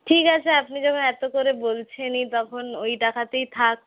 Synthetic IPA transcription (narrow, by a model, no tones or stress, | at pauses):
ʈʰikat͡ɕʰeapnid͡ʑɔkʰonɛt̪okoɾebolt͡ɕʰenit̪ɔkʰonojʈakʰat̪ejt̪ʰak̚